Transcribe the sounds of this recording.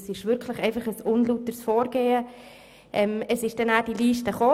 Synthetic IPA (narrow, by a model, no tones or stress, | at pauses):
sɪʃʋʏɾkʰləχɛɪfɑχəsʊnlutəɾsfoːɾɡ̥eːə | ʔɛməsɪʃd̥ɛnaːd̥iliːʃtəχoː